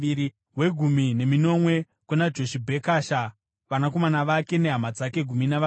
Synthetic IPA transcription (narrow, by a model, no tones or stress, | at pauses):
ii | ɦwe̞ɡʱumine̞mino̞mwe̞ | kunad͡ʒo̞ʃibʱe̞kaːʃa | ʋanako̞manaʋake̞ne̞ɦamad͡zake̞ɡʱuminaʋ